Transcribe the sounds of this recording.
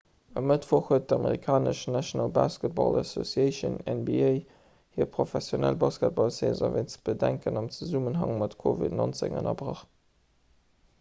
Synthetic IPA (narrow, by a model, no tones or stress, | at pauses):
əmətfoχhuət̚dəɑməʁikʰaːnəʃnæʃonɑlbaːskət̚bɑ̰laso̰sieɪʃə̰nɛnbieɪ | hiːəɐpʁofɛsjonælbaːskət̚b̥ɑlseːzɐ̰veɪnt͡səb̥ədæŋkənɑmt͡səzumənɦɑŋmɑtkʰovḭdnont͡sḛŋənɐbʁɑχt